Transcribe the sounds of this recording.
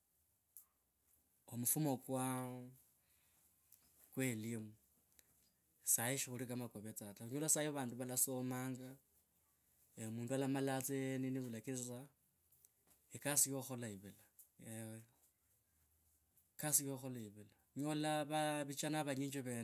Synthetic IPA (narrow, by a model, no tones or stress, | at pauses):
omufumokwa | kwelimu | saiʃixulikamakoβet͡satauɲolasajoβaːnduβalasomaːŋɡa | eomuːndualamalat͡sejeniniβulakit͡sit͡sa | ekasijoxolaiβila | ewe | kasijoxolaiβila | ɲolaβaβit͡ʃanaβaɲiɲd͡ʒiβeːn